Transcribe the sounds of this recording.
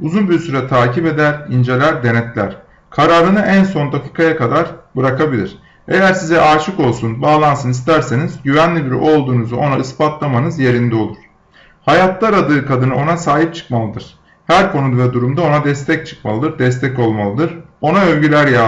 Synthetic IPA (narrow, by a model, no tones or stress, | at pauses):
uzunbiɾsyɾɛt̪ʰaːcipe̞d̪æɾind͡ʒe̞lʲæɾd̪e̞nɛt̪lʲæ̰ɾ̥ | kʰaɾaːɾɯnɯʔænso̞nd̪akʰiːkʰajakad̪aɾbɯɾakabilʲiɾ̥ | e̞jæɾsizɛʔaɾt͡ʃʰɯko̞lˠsunbaːlˠansɯnist̪ʰæɾse̞nizɟyvænlʲibiɾḭʔo̞lˠd̪uːnuzuo̞naɯspat̪lˠamanɯzje̞ɾind̪ɛo̞lˠuɾ̥ | hajat̪lˠaɾad̪ɯːkʰad̪ɯnɯo̞nasaːɦip̚t͡ʃʰɯ̥kmalˠɯd̪ɯɾ̝̥ | hæɾkʰo̞nud̪vɛd̪uɾumd̪ao̞nad̪ɛst̪ʰɛc̚t͡ʃʰɯ̥kma̰lˠɯd̪ɯɾd̪ɛst̪ʰɛco̞lˠmalˠɯd̪ɯɾo̞naølʲɟylʲæɾja